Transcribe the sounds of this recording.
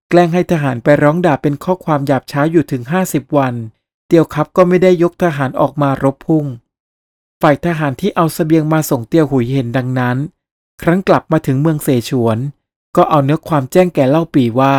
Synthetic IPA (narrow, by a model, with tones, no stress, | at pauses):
klɛː˥˩ŋɦa˥˩jt̪ʰaː˧ɦaː˩˦npa˧jɾɔː˦˥ŋdaː˨˩pe˧nkʰɔː˥˩kʰwaː˧mjaː˨˩p̚t͡ɕʰaː˦˥juː˨˩t̪ʰɯ˨˩˦ŋɦaː˥˩si˨˩p̚wa˧n | t̪i˧əwkʰa˦˥p̚kɔː˥˩ma˥˩jda˥˩jːo˦˥k̚t̪ʰaː˧ɦaː˩˦nʔɔ̰ː˨˩k̚maː˧ɾo˦˥pʰːu˥˩ŋ | faː˨˩jt̪ʰaː˧ɦaː˩˦nt̪ʰiː˥˩ʔa˧wsa˧bi˧əŋmaː˧so˨˩˦ŋt̪i˧əwɦu˨˩˦jhe˩˦nda˧ŋna˦˥n | kʰɾa˦˥ŋkla˨˩p̚maː˧t̪ʰɯ˩˦ŋmɯ˧əŋseː˩˦t͡ɕʰu˩˦ən | kɔː˥˩ʔa˧wnɯ˦˥ɐkʰwaː˧mt͡ɕɛː˥˩ŋkɛː˨˩la˥˩wpiː˨˩waː˥˩